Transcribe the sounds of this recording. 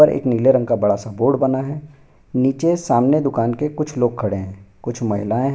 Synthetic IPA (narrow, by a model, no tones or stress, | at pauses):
əɾʔḛːkniːleɾɐ̃ŋɡkabɐɽasaboːɖbɐnaɦɛː | niːt͡ʃesaːmned̪ʊkaːnkekʊt͡ʃʰloːɡ̚kʰɐɽeɦɛ̃ːkʊt͡ʃʰmɐɦɪlaːẽɦ